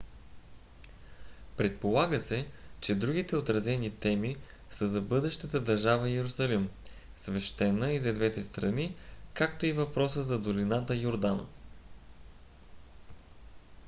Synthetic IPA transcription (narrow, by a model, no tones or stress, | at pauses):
pɾɛt̪̚polˠaɡəsɛt͡ʃɛd̪ɾuɡ̟it̪ɛot̪ɾɐzɛnit̪ɛmi | səzɐbɤd̪ɛʃt̪ət̪əd̪ɐɾʒavəɛɾʊsɐlim | svɛʃt̪ɛnəizɐd̪vɛt̪ɛst̪ɾɐnikakt̪oivɐpɾɔsəzɐd̪olinat̪əjoɾd̪an